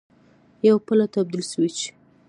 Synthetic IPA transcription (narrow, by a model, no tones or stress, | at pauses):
jawpəlat̪ab̚d̪ilʃəwit͡ʃe̥